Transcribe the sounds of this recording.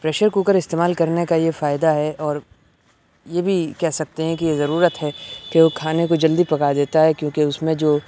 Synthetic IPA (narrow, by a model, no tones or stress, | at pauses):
pɾɛːʃəɾkuːkəɾɪst̪eːmaːlkɐɾnekajefaːɪd̪aɦɛʔɔːɾ | jebʱikɛɦsɐk̚t̪eɦɛ̃kijezɐɾuːɾət̪ɦɛkeokʰaːnekod͡ʒɐld̪ipɐkad̪eːt̪aɦɛkjõːkeʊsmẽd͡ʒoː